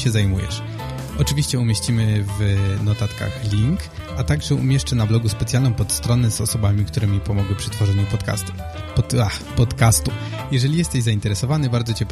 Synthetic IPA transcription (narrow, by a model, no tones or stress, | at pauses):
ɕɛzajmujɛ̰ʂ | ɔt͡ʂɘvʲiɕt͡ɕɛumʲeɕt͡ɕimɘvnɔt̪at̪ka̰xlʲiŋk | at̪aɡʐɛṵmʲjɛʂt͡ʂɛnablɔɡuspɛt̪sʲjalnɔ̃w̃pɔt̪st̪ɾɔnɛzɔ̰sɔbamʲikt̪uɾɛmʲipɔmɔɡwɘpʂɛt̪fɔʐɛɲupɔt̪a̰ | axpɔt̪kast̪u | jɛʐɛlʲijɛst̪ɛʑzaint̪ɛɾɛsɔvanɘbaɾd̪zɔt͡ɕɛp